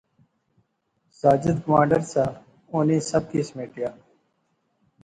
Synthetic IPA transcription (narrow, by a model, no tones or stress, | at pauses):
saːd͡ʒɪd̪kəmaːɳɖəɾsaː | oːneːsəb̚kismeːʈjaː